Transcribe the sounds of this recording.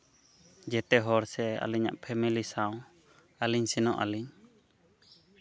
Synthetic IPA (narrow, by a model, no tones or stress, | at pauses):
d͡ʒɛt̪ɛɦɔɾsɛa̰liɲa̰ʔpʰɛmilisaw̃ | aliɲsinɔʔa̰liɲ